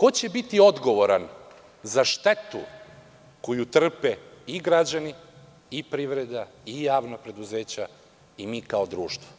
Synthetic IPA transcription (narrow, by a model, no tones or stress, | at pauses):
ko̞t͡ɕebit̪io̞d̪ɡo̞ʋo̞ɾan | zaʃt̪e̞t̪ṵ | ko̞jut̪r̩peiɡɾad͡ʑani | ipɾiʋɾed̪aijaːʋnapɾe̞d̪uze̞ːt͡ɕa | imiːkao̞d̪ɾuːʃt̪ʋo̥